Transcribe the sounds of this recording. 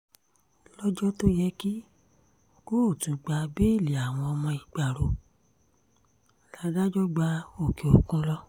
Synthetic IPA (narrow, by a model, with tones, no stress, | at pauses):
lɔ˦d͡ʒɔ˦to˦jɛ˦ki˦ | ɡ̥o˦˨tũ˨˦ɡ͡ba˧be˦i˦˨li˨a˨w̃ɔ̃˧ɔ˧mɔ̃˧i˨ɡ͡ba˨ɾo˨˦ | la˨˦ɡa˦d͡ʒɔ˦ɡ͡ba˧˦o˨ke˨o˨kũ˦lɔ˦